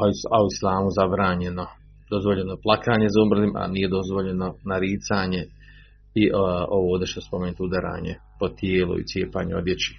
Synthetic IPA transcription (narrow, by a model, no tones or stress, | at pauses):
aoislˠaːmuzabɾaːɲe̞no̞ | d̪o̞zʋoʎe̞noplˠakaːɲe̞zaumr̩zimʔa̰niːje̞d̪o̞zʋo̞ʎe̞no̞naɾiːt̪saːɲe̞ | iʔoʋood̪ɾʃnospomenit̪ud̪aɾa̰ːɲḛ | pot̪jeːlṵḭt̪sʲje̞ːpaːɲeo̰d̪jet͡ɕi̥